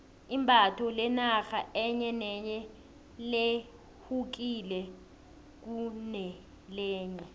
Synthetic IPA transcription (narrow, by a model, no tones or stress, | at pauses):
imbʱatʰɔlɛnaxaʔɛɲɛnɛɲɛ | le | huk̬ilɛ | k̬unɛ | lɛːɲɛ